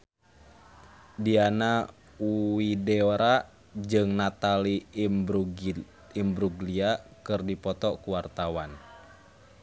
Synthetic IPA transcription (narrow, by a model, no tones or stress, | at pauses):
diana | widɛoɾa | d͡ʒɨŋnat̪ali | imbɾuɡliakɨrdipɔt̪ɔkuwart̪awan